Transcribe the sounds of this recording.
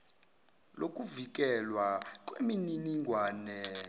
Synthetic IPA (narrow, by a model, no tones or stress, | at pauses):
lʔokʼuvik̬ʼɛlwak̬ʼwemininiŋɡʱwaːnɛ